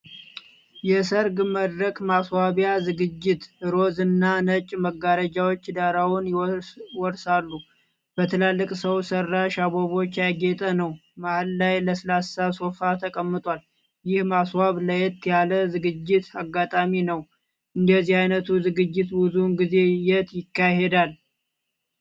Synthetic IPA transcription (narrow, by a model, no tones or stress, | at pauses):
jɛsəɾɡməd̪ɾəkʼmaswaβjazɨɡɨd͡ʒːɪt̪ɾo̞zɨnːanət͡ʃʼməɡaɾəd͡ʒawo̞t͡ʃːd̪aɾawʊnwɔɾsalːu | b̥ət̪ʰɨlalːɨkʼsəwsərːaʃaβoβo̞t͡ʃːajɡet̪ʼənəwmahlːajləsɨlasaso̞fat̪ʰəkʼəmːɨt̪ʼwal | jɪhmaswaβləjɛt̪ːjaləzɨɡɨd͡ʒːɪt̪aɡːat̪ʼaminəw | ʔɨnd̪əzːihajnət̪ʰuzɨɡɨd͡ʒːɪt̪buzunɡize̞jɛt̪jɪkːahe̞d̪al